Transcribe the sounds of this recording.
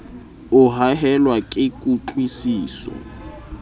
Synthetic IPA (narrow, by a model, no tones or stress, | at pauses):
ʊɦaɦɛlwakʼɪkʼuǃwisiːsɔ̰